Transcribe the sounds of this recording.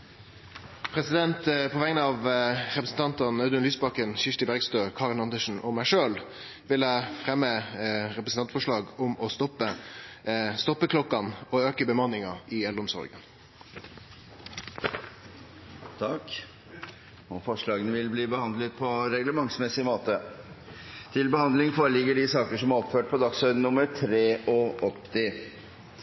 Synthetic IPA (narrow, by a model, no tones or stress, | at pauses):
pʰʁɛsɪd̪ɛnt̪pʰɔʋɛŋənəɑːʋʁɛpɾəsn̩t̪ɑnt̪ɑnɛd̪ənlyːsbɑkənʃɪʂt̪ɪbæʁɡst̪øːkʰɑːʁənɑnd̪əʂn̩ɔmæɪʂøːl | ʋɪlæfʁɛmːəʁɛpɾəsn̩t̪ɑnt̪fɔʂlɑːɡʊmɔst̪ɔpə | st̪ɔpːəkʰlɔkːɑnoøːkəbəmɑnːɪŋɑɪɛld̪ɔmsɔ̰ɾɡə̰n | t̪ʰɑk | ɔfɔʂɭɑːɡənəʋɪlbliːbəhɑnd̪lət̪̚pʰɔɾɛɡləmɑŋsmɛsɪmoːt̪ə | t̪ʰɪlbəhɑnd̪lɪŋfoːɾəlɪɡəɖɪsɑːkəʂɔmæɾɔpføːʈ̚pʰɔd̪ɑksœʏd̪nːʊməɾʈʰɾeːʔɔɔpːt̪ʰɪ